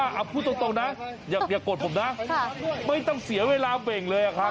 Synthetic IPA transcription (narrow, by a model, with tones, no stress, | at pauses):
ʔa˧˩pʰuː˥˩t̪ːŋt̪o˧na˦˥jaː˨˩k̚jaː˨˩kːoː˨˩t̪̚ʰmna˦˥ | ma˥˩jt̪ɔ˥˩ŋsi˩˦ɐweː˧laː˧be˨˩ŋlɤː˧jʔa˨˩kʰa˦˥